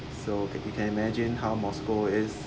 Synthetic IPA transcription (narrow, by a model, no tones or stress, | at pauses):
sojukʰɛ̃nimɛd͡ʒɪ̃nhaʊmɔskoɪs